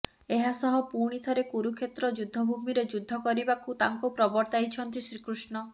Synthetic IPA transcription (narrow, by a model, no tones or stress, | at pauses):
eɦasɔɦɔpuɾɽ̃it̪ʰɔɾekuɾukʰet̪ɾɔd͡ʒud̪ʱːɔbʱumiɾed͡ʒud̪ʱːɔkɔɾibakut̪a̰ŋkupɾɔbɔɾt̪ajt͡ʃʰɔnt̪isɾikɾusnɔ